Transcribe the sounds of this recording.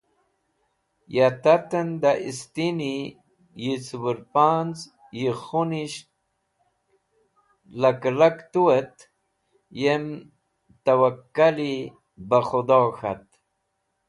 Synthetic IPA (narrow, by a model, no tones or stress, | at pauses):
jat̪at̪ənd̪aʔist̪ini | jit͡swuɾpaːnt͡s | jiχuniɕ | laklakt̪uet̪ | jem | t̪awakːali | baχud̪oːxa̰t̪